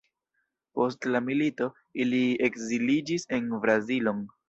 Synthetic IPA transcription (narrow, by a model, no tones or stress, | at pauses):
po̞s̬tlamilito̞ | iliekzilid͡ʒise̞nbɾazilo̞n